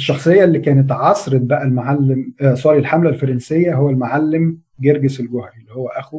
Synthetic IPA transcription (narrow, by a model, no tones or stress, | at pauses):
eʃːɑxsˤejːɑlːikæːnet̪̬ʕɑsˤɾed̪̚bæʔælmaʕalːemsˤɑːɾilħamlælfɑɾˤɑnsejːæɦowːælmaʕalːem | ɡeɾɡeselɡohɾilːihowːæʔæxu